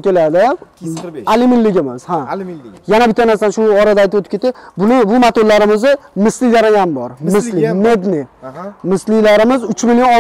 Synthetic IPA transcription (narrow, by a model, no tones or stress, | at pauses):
kʲe̞lad̪ɪ | alɪmɪlːɪɡʲɪmɪz̥hajanabɪt̪ʰːanaɾsanʃʊɒɾad̪ajt̪ɪpot̪ɪ̥pkʰʲe̞t̪ːɪbʊnɪbʊmat̪ollaɾɪmɪzɪmɪslɪjaɾaɡanbɒɾmɪslɪme̞d̪nɪmɪslɪlaɾɪmɪzʊt͡ʃmɪljɒ